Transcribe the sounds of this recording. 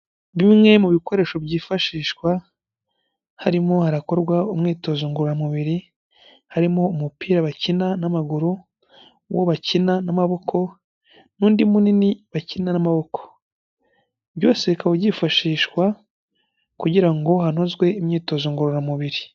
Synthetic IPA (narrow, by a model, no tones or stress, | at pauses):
βimŋe̞muβiko̞ɾe̞ːʃo̞βɟiːfaʃiːʃkwa | haɾimo̞haɾako̞ɾɡwaumŋiːto̞zuːŋɡuɾuɾamuβiɾi | haɾimo̞umupiːɾaβacinanamaɡuɾu | wo̰βacinanamaβo̞kʰo̞ | nuːndimuniniβacinanamaβo̞kʰo̥ | βɟo̞ːseikaβoɟifaʃiːʃwa | kuɟiɾaŋɡo̞ɦanozɡwe̞imɲiːto̞zuŋɡuɾuɾamuβiɾi